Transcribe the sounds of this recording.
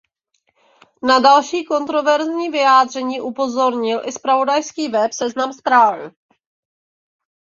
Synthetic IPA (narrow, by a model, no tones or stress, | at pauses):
nadalʃiːko̞nt̪ɾo̞vɛɾzɲiːvɪjaːd̪r̝ɛɲiːʔupo̞zo̞ɾɲɪlʔɪspɾavo̞dajskiːvɛpsɛznamspɾaːvɪ